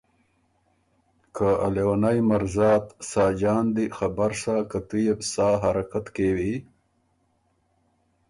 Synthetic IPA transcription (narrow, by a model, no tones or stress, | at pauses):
kaalewanajmaɾzɑːt̪sɑːd͡ʒɑːnd̪ixabaɾsakat̪ujebsaːɦaɾakat̪kewi